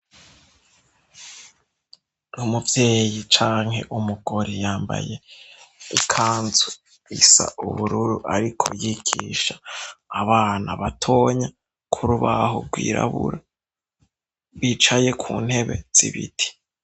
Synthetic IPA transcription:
numuvje̞ːjit͡ʃaːŋhe̞̰ʔumuɡoɾijaːmba̰je̞ | ikʰaːnzu | isa̰uβuɾuɾuʔaɾikʰo̞̰jikʰiʃaːβaːnaβatʰo̞ːɲa | kʰuɾuβaɦoɾɡwiːɾa̰βuɾa | βit͡ʃaje̞kʰuːn̥he̞βe̞̰z̥iβitʰi̥

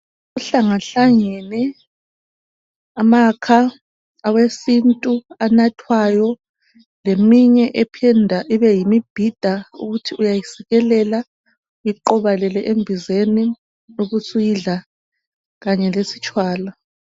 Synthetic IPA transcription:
uɬaŋaɬaŋɛnɛ | amakʰaː | wesintʼuanatʰwajɔ | lemiɲɛʔɛpʰɛndʱaʔiβɛjimib̥ʱid̥ʱaṵɣutʰiʔujajisiɣɛlɛla | ujiǃɔβalɛlɛʔembʱizeni | nuɣusujiɮa | ɣaɲɛlesi̥t͡ʃʼwaːla

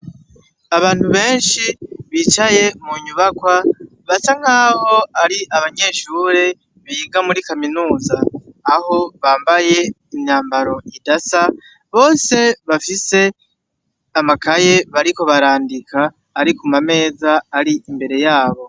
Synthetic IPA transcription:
aβaːn̥huβe̞ːnʃiβit͡ʃaje̞muɲuβakwa | βasaŋ̥aːho̞aɾiʔaβaɲe̞ːʃuːɾe̞ | βajiɡamuɾikaminuːzaːɦo̞βaːmbaje̞ | imɲaːmbaɾo̞ʔidasa | βo̞ːse̞βafise̞ | amakaje̞βaɾiko̞βaɾaːndikʰaː | ɾikumame̞ːzaːɾiimbe̞ɾe̞jaːβo̞

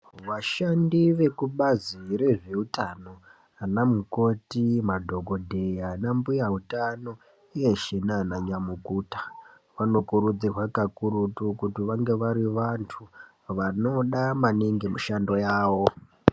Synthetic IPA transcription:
ʋaʃandiʋe̞kuɓazire̞ʐe̞utano̞ | anamuko̞timadʱo̞ɡo̞dʱe̞janambujautano̞ | ijeʃenanaɲamukuːtḁ | ʋano̞kuɾud͡zirwakakuɾutukutiʋaŋɡe̞ʋaɾiʋantʰu | ʋano̞ɗamaneŋɡe̞miʃando̞jaːʋo̞

